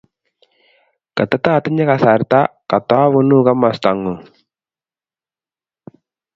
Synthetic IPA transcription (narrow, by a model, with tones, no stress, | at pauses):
kɐ˨t̪ːa˦t̪aː˦˨t̪i˦ɲe˦ka˨sa˨ɾt̪a˦ka˨t̪a˦βo˦nu˦ɡa˦ma˨st̪a˨ŋːu˨